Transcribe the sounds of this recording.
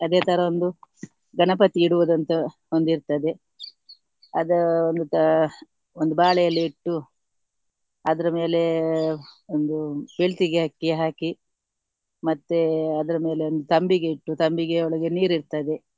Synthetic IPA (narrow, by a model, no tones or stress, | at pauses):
ɐd̪e̞ːt̪ʰɐɾɐond̪u | ɡɐɳɐpɐt̪iːɽuʋɐd̪ɐnt̪ɐ | ond̪iɾt̪ɐd̪e̞ | ɐd̪ɐond̪ut̪ | ond̪ubaːɭɛjɐlːiːʈːu | ɐd̪ɐɾɐme̞ːle̞ | ond̪ubeɭt̪iɡeɦɐkːiɦaːki | mɐt̪ːeɐd̪ɐɾɐme̞ːle̞ond̪ut̪ɐmbiɡe̞iʈːut̪ɐmbiɡe̞ɔɭɐɡe̞niːɾiɾt̪ɐd̪e̞